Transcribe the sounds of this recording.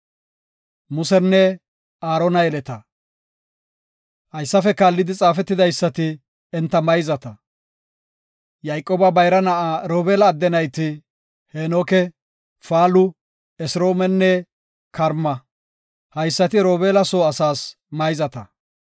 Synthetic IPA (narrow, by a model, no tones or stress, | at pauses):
mʊsɛnːɛ | aːɾɔnɐjɛlɛt̪ɐ | hɐjsːɐfɛkaːlːɪd̪ɪt͡sʼaːfɛt̪ːɪd̪ɐjsːɐt̪ɪ | ɛnt̪ːɐmɐjzɐt̪ɐ | jɐjkʼːoːbɐbɐjɾɐnɐʔaɾoːbeːlɐːd̪ːɛnɐjt̪ɪ | heːnoːkɛ | faːlʊ | ɛsɾo̞ːmɛnːɛ | kɐɾmɐ | hɐjsːɐt̪ɪɾoːbeːlɐsoːɐsaːs | mɐjzɐt̪ɐ